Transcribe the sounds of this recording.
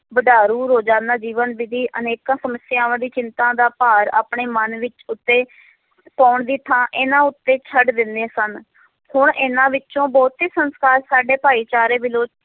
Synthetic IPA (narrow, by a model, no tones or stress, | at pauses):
bəɖaːɾuːɾoːd͡ʒãːnd̪aːd͡ʒiːʋənʋɪd̪iːʔəneːkãːsəməsjãːʋãːd̪iːt͡ʃɪnt̪ãːd̪aːpaːɾa̰ːpɳeːmənʋɪt͡ʃʊt̪ːeː | pɔːʊɳd̪iːt̪ʰãːʔɪnãːʊt̪ːeːt͡ʃʰəɖd̪ɪnd̪eːsən | hʊɳʔɪnãːʋɪt͡ʃt͡ʃõːbɔːt̪iːsənskaːɾsaːɖeːpaːiːt͡ʃaːɾeːbɪloːt͡ʃ